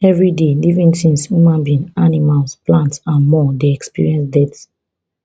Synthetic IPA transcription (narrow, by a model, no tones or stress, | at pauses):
ɛvɹidelivĩnsĩnsjumãnbĩnanimalsplãntsãnmɔdeɛkspḭɹiɛ̃nsdɛt